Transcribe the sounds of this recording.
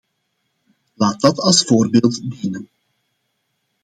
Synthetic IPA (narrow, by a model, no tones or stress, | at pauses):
laːt̚dɑtɑlˠsfoːrbeːlˠtdinən